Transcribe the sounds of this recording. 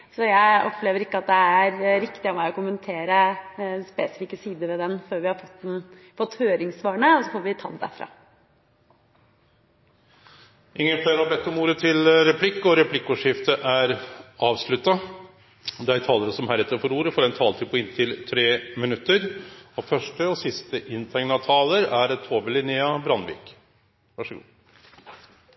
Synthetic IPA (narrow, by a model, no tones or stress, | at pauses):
sɔjæɪɔpleːʋəɾɪkːəɑt̪̚d̪ɛæɾɾɪkt̪ɪɑmæɪɔkʊmənt̪ʰeːɾəspeːsɪ̥fikːəsiːd̪əɾʋɛd̪ɛnføːɾʋɪhɑɾfɔt̪dn | fɔt̪ːhøːɾɪŋsʋɑːɳəɔsɔfoːɾʋɪt̪ʰɑ̰ːnd̪æ̰fɾɑ̰ | ʔɪŋːənfeɾhɑbɛt̪ːɔmuːɾət̪ʰɪlɾɛpʰlɪkːɔɾɛpʰlɪkːuʂɪft̪əʔæɾʔɑːʋsɭʉt̪ːɑ | d̪ɛæɾt̪ʰɑːləɾəsɔmhæɾɛt̪ːəɾfɔɾuːɾəfɔɾɛnt̪ʰɑːlt̪ʰɪpʰɔɪnt̪ʰɪlt̪ʰɾeːmɪnʉt̪ːəɾɔfœʂʈəɔsɪst̪əʔɪnt̪ʰɛŋnɑt̪ʰɑːləɾæɾt̪ʰoːbəlɪneːɑbɾɑnʋḭːk | ʋɑʂəɡṵː